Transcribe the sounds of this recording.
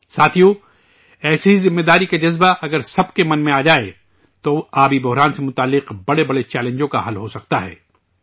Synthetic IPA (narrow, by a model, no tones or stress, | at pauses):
saːt̪ʰijõ | ɛːseɦizɪmːed̪aːɾikad͡ʒɐzbaʔɐɡəɾsɐbkemɐnmẽaːd͡ʒaːḛ | t̪oaːbibʊɦɾaːnsemʊt̪aːlːɪqbɐɽebɐɽet͡ʃɛːlẽnd͡ʒõka̰ɦɐlɦosɐk̚t̪aɦɛ̰ː